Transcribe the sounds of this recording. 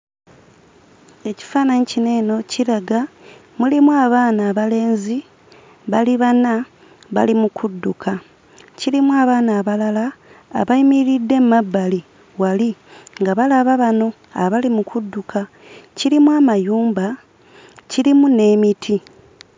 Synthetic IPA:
e̞ci̥faːnaɲicine̞ːno̞ciɾaɡa | mulimuaːβaːnaːβale̞ːnzi | βaliβana | βa̰limukʰudːukʰa | cilimuaːβaːnaːβalala̰ːβaimiɾidːe̞mmabːali | waliŋɡaβalaβaβano̞ | aβalimukʰudːukʰa | ciɾimuwamajuːmba | cilimune̞ːmitʰi

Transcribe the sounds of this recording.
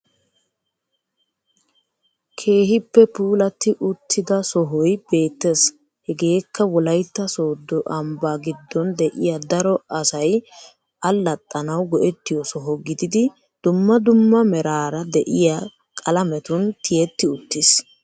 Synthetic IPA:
kʰe̞ːɦɪpːɛpuːlɐt̪ːɪʔʊt̪ʰːɪd̪ɐsɔɦɔjb̥e̞ːt̪ːes | hɛɡe̞ːkʰːɐwɔlɐjt̪ːɐso̞ːd̪ːɔʔɐmbaːɡɪd̪ːɔnd̪ɛʔɪjad̪ɐɾɔɐsɐj | ɐlːɐt̪ʼːɐnɐwɡɔʔɛt̪ːɪjɔsɔɦɔɡɪd̪ɪd̪ɪ | d̪̥ʊmːɐd̪ʊmːɐmɛɾaːɾɐd̪ɛʔɪja | kʼɐlɐmɛt̪ʊnt̪ɪjɛt̪ːɪʊt̪ːɪs

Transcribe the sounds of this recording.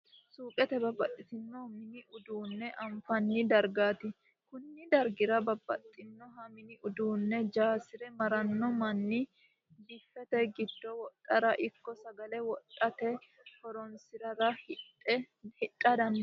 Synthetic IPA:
suːpʼɛt̪ɛbɐbɐt̪ʼːɪt̪ɪnːɔmɪnɪʊd̪uːnːɛʔɐmfɐnːɪd̪ɐɾɡaːt̪ɪ | kʊnːɪd̪ɐɾɡɪɾɐbɐbːɐ̰t̪ʼːɪnːɔɦɐmɪnɪʔʊd̪uːnːɛd͡ʒaːsɪɾɛmɐɾɐnːɔmɐnːɪ | dɪfːɛt̪ɛɡɪd̪ːɔwɔt̪ʼːɐɾɐʔɪkːɔsɐɡɐlɛwɔt̪ʼːɐt̪ɛ | hɔɾɔnsɪɾɐɾɐh | ɛ | hɪt̪ʼːɐd̪ɐn

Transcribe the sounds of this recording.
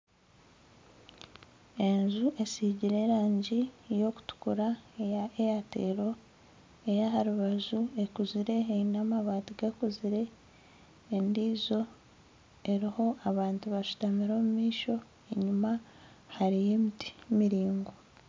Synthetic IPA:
e̞nzuʔe̞siɟiɾe̞ɾaːɲɟijo̞ku̥tu̥kuɾaeaejate̞ːɾo̞ | ejaɦaɾuβazue̞kuziɾe̞ːinamaβaːtiɡekuziɾe̞ː | ndiːzo̞ | e̞ɾiho̞ʔaβaːntuβaʃu̥tamiɾo̞ːmumiːʃo̞ | eɲuma | haɾije̞miti̥miɾiːŋɡo

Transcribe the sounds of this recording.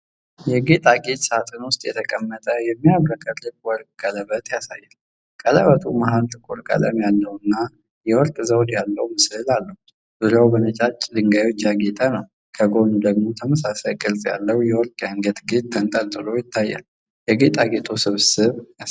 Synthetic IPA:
jɛɡe̞t̪ʼaɡe̞t̪ʼsat̪ʰɨnwʊst̪ʼjɛt̪ʰəkʼəmːət̪ʼəjɛmːiaβɾəkʼət̪ʼlɨkʼwɔɾk̚ʼkʼːələβət̪jasa̰jːal | kʼələβət̪ʰumahalt̪ʼɨkʼuɾkʼə̰lə̰mjalːəwɨnːa | jɛwɔɾkʼzəwd̪jalːəwmɨsɨlalːəhu | bɨɾəwbənət͡ʃʼat͡ʃʼd̪ɨŋɡajwot͡ʃːjaɡet̪ʼənəw | kʰəɡo̞nud̪əɡmo̞t̪ʰəməsasajkʼɨlsʼja̰lːəwjɛwɔɾkʼjaŋɡət̪ɡe̞t̪̚ːʰənt̪ʼəlt̪ʼɨlo̞jɪt̪ʰːajːa̰l | jɛɡe̞t̪ʼaɡe̞t̪ʰusɨβsɨβ

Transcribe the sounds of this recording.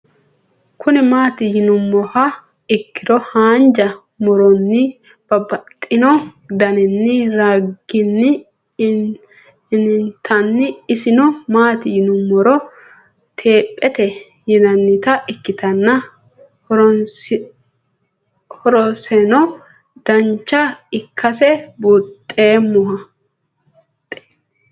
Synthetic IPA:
kʰʊnɪmaːt̪ɪjɪnʊmːɔhɐ | ɪkːɪd̪ɔhaːnd͡ʒɐ | mɔɾɔnːɪ | b̥ɐbɐt̪ʼːɪnɔd̪ɐnɛnːɪɾaɡɪnːɪ | nɪnt̪ʰɐnːɪɪsɪnɔmaːt̪ɪjɪnʊmːɔɾɔ | t̪ʰe̞ːpʼːɛt̪ɛ | jɪnɐnːɪt̪ɐʔɪkːɪt̪ɐnːɐ | ɾ | hɔɾɔsɛnɔ | d̪̥ɐnt͡ʃːɐɪkʰːɐsɛbut̪ʼːe̞ːmʊhɐ | t̪ʼɛ̥

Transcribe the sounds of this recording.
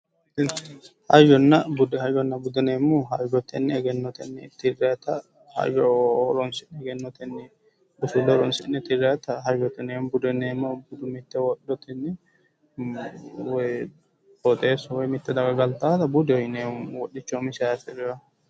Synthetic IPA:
n | hɐjɡɔnːɐbʊd̪ɛhɐjɡɔnːɐbʊd̪ɛneːmːʊɦɐjɡɔt̪ːɛnːɪɛɡɛnːɔt̪ɛnːɪ̰t̪ɪret̪ɐ | hɐ̰jɡɔɔɾɔnsɪnɛɛɡɛnːɔt̪ɛnːɪ | bʊsʊlːɔɾɔnsɪnːɛt̪ɪrɛːt̪ːɐɦɐjɡɔt̪ːɛnembʊd̪ɛnemːɔbʊd̪ʊmɪt̪ːɛwɔɗːɔt̪ɛnːɪ | wɔj | ɔt̪ʼeːswɔjmɪt̪ːɛd̪ɐɡɐɡɐlt̪aːt̪ɐbʊd̪ɪɔɪneːwɔɗɪt͡ʃːɔmɪsɛasɛɾɪjɐ

